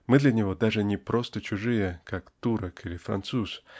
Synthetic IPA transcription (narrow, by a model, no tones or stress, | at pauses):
mɨd̪lʲɐnʲɪvo̞d̪aʐɨnʲɪpɾo̞st̪ət͡ɕʊʐɨjəkakt̪uɾəkʰilʲɪfɾɐ̰nt̪sus